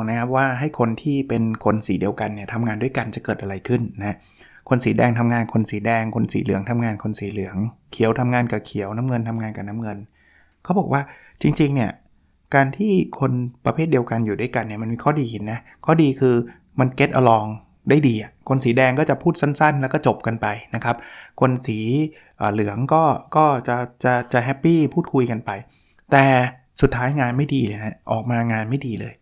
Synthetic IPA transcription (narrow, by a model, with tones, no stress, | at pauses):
ŋna˦˥kʰa˦˥p̚waː˥˩ɦa˥˩jkʰo˧nt̪ʰiː˥˩pe˧nkʰo˧nsiː˨˩˦di˧əwka˧nːi˥˩ɐt̪ʰa˧mŋaː˧ndu˥˩əjka˧nt͡ɕa˨˩kɤː˨˩t̪ʔa˧ɾa˧jkʰɯ˥˩nːa˦˥ | kʰo˧nsiː˩˦dɛː˧ŋt̪ʰa˧mŋaː˧nkʰo˧nsiː˩˦dɛː˧ŋkʰo˧nsḭː˨˩˦lɯ̰˨˩˦ŋt̪ʰa˧mŋaː˧nkʰo˧nsiː˩˦lɯ˨˩˦əŋkʰi˨˩˦əwt̪ʰa˧mŋaː˧nka˨˩kʰi˨˩˦əwna˦˥mŋɤ˧nt̪ʰa˧mŋaː˧nkaː˨˩na˦˥mŋɤ˧n | kʰa˦˥wbɔː˨˩k̚waː˥˩ | t͡ɕi˧ŋt͡ɕi˧ŋni˥˩ɐ | kaː˧nt̪ʰiː˥˩kʰo˧npɾa˧pʰe˥˩t̪̚di˧əwka˧njuː˨˩da˥˩jka˧nːi˥˩ma˧nmiː˧kʰɔː˥˩diː˧ki˨˩nːa˦˥ | kʰɔː˥˩diː˧kʰɯː˧ | ma˧nke˦˥t̪ʔa˧lɔː˧ŋ | daː˥˩jdiː˧ʔa˨˩kʰo˧nsiː˩˦dɛː˧ŋkɔː˥˩t͡ɕa˨˩pʰuː˥˩t̪̚sa˥˩nsa˥˩nlɛː˦˥wkɔː˥˩t͡ɕo˨˩p̚ka˧npa˧jna˦˥kʰa˦˥p̚kʰo˧nsiː˩˦ | ʔəː˨˩lɯ˩˦əŋkɔː˥˩kɔː˥˩t͡ɕa˨˩t͡ɕa˨˩t͡ɕa˨˩ɦɛ˦˥pːiː˥˩pʰuː˥˩t̪̚kʰu˧jka˧npa˧j | t̪ɛː˨˩ | su˨˩t̪ʰːaː˦˥jŋaː˧nma˥˩jdiː˧lɤː˧jna˦˥ʔɔ̰ː˨˩k̚maː˧ŋaː˧nma˥˩jdiː˧lɤ̰ː˧j